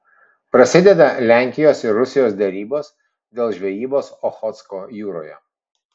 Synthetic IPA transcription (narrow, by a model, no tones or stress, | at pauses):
pɾɐsʲɪd̪ʲɛd̪ɐlʲæˑŋʲkʲɪjoːsɪɾːʊsʲɪjoːsd̪ʲɛɾʲiːboːs | d̪ʲeːlˠʒʲʋʲɛjiːboːsɔxɔt̪skoːjuːɾo̰ːjɛ̰